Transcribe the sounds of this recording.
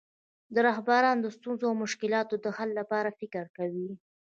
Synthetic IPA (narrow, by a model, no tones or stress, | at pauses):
d̪əɾɑɦbaɾɑnd̪əst̪unzoawmʊʃkɪlɑt̪od̪əhalːapɑɾafɪkəɾkawi